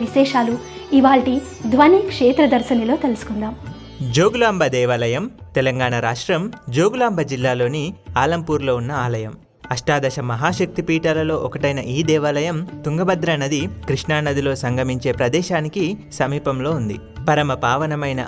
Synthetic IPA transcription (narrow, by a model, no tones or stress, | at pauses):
ʋiʃɛːʃaːluiʋaːɭʈi | d̪ʱʋɐniːkʂeːt̪ɾɐd̪ɐɾsɐnɐlo̞ːt̪elusu̥kund̪aːm | d͡ʒoːɡulaːmbʱɐd̪ɛːʋɐlɐjɐmt̪ɛlɐŋɡaːɳaɾaːʂʈɾɐmd͡ʒoːɡulaːmbʱɐd͡ʒilːaːlo̞ːniaːlɐmpuːɾlo̞ːunːɐaːlɐjɐm | ɐʂʈaːd̪ɐʃɐmɐɦaːʃɐk̚t̪ipiːʈɐlɐlo̞ːʔɔkɐʈɐjnɐʔiːd̪ɛːʋɐlɐjɐmt̪uŋɡɐbɐd̪ɾɐnɐd̪ikɾiʂɳaːnɐd̪ilo̞ːsɐŋɡʱɐmiɲt͡ʃe̞ːpɾɐd̪ɛːʃaːnikisɐmiːpɐmlo̞ːund̪ḭ | pɐɾɐmɐpaːʋɐnɐmɐjnɐ̰